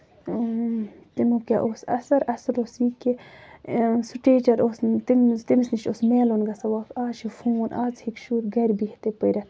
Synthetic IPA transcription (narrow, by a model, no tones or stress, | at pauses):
t̪imokʲa̰ʔosɐ̰sɐɾɐsɐɾosiːke | suʈeːt͡ʃɐɾost̪imt̪imisniʃosmeːlonɡɐsɐwaːkʰaːʃifũːwnʔaːt͡shikʃuːɾɡɐɾʲbihit̪epəɾʲa